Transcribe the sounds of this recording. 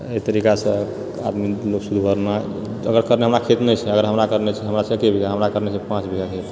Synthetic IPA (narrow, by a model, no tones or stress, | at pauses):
et̪əɾikasə̃ | ad̪miloksud̪ʱbʱəɾna | əɡəɾkəɾneɦəmɾakʰet̪nɛt͡ʃʰɛəɡəɾɦəmɾakəɾnet͡ʃʰɛɦəmɾasə̃kebʱiɡaɦəmɾakəɾnesʰɛpãt͡ʃbʱiɡakʰet̪